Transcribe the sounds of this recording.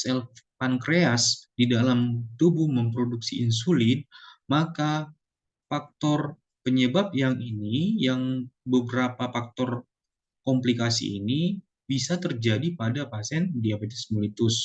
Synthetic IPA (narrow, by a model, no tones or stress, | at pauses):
sɛlfankɾeasdidalamt̪ubʊhməmpɾoduksiins̬ulɪt̪̚maka | fak̚t̪ɔr | pəɲəbap̚jaŋinijaŋbəbəɾapafak̚t̪ɔr | kɔmplikasḭːni | bisat̪ərd͡ʒadipadapasɛndiabet̪ɛ̥smulit̪ʊs